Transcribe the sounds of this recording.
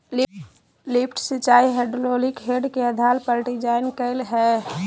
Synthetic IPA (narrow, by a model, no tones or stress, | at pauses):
lɪpʰʈsɪt͡ʃaːiɦeɖloːlɪkɦeɖkeəd̪ʱalpəɾɖid͡ʒaːɪnkəɪlɦɛ